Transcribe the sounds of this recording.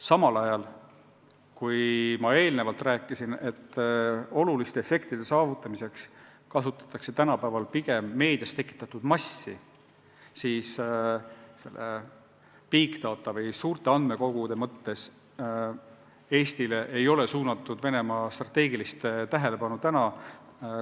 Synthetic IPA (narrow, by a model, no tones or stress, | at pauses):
sɑmɑlɑjɑl | kujmɑe̞ːlne̞vɑlt̪ræːkːˑisine̞t̪ːˑo̞lulist̪e̞efe̞kt̪id̪̥e̞sɑːvut̪ːˑɑmise̞ks | kɑsut̪ːˑɑ̥t̪ːˑɑkse̞t̪ænɑpæːvɑlpiɡ̥e̞mːe̞ːd̪̥jɑst̪e̞kːˑi̥t̪ːˑɑt̪ud̪mɑsːḭ | siːs | se̞̰lːʔḛ | piːkt̪ɑːt̪ːˑɑvɯjsuːrt̪e̞ɑnd̪̥me̞ko̞ɡ̥ud̪̥e̞mɤt̪ːe̞s | e̞ːst̪ileʔejo̞le̞suːnɑt̪ːˑud̪̥ve̞ne̞mɑːst̪rɑt̪e̞ːɡilist̪t̪æɦe̞le̞pɑnut̪ænɑ